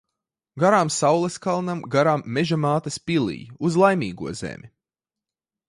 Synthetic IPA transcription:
ɡaɾaːmsawlˠeskalˠnamɡaɾamːeʒamaːt̪ɐspilˠḭjuzlˠajmʲiːɡuɔzḛmʲi

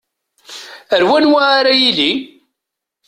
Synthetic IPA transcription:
əɾwænwaːɾajili

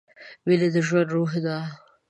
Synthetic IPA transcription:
weled̪əʒwand̪ɾoɦd̪a

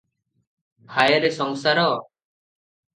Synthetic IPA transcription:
hʰajeɾɛsɔŋsaɾɔ

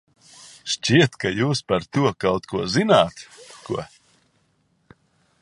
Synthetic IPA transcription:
ʃt͡ʃʲiɛt̪kajuːspaɾt̪uɔkawt̪kuɔzinaːt̪kuɔ

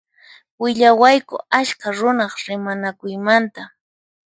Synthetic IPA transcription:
wɪʎawajkʊ̰aʃkaɾʊnɑχɾɪmanakʊjmant̪a

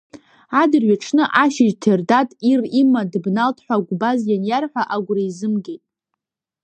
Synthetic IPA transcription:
adɨrɥaʈ͡ʂʰnɨʔaʃɪʒtʰerdatʼirimadbnaltʰħʷaɡʷbazjanjarħʷᶣaʔaɡʷraizɨmɡʲejtʼ

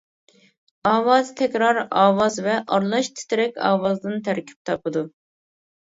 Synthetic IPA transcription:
ɑːwɑzt̪ʰɛkʲɾɑɾɑːwɑzvɛʔɑɾlˠɑʃt̪ʰɪ̥t̪ʰɾɛkʲɑ̰ːwɑzd̪ɨnt̪ʰæɾkʲʰy̥p̚t̪ʰɑpɨd̪u

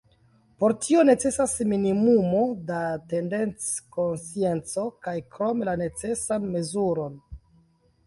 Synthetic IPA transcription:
po̞ɾtʰio̞ne̞t͡se̞sasminimumo̞date̞nde̞nt͡skonsie̞nt͡so̞kajkɾo̞melane̞t͡se̞sanme̞zuɾo̞n

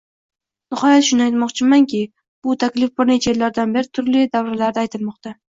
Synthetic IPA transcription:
nɪχɒjat̪ʃʊnɪajt̪mɒqt͡ʃʰɪmaŋkʲɪ | b̥ʊt̪ʰakʲlɪfbɪɾnet͡ʃʰajelːaɾd̪anbe̞ɾɪt̪ʰʊɾlɪd̪avɾalaɾd̪ajt̪ʰɪlmɒqt̪a

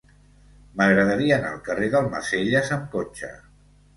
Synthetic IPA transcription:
məɣɾəðəɾiəːna̰ːlˠkəreðəlˠmə̰seʎəzəmkot͡ʃə̰

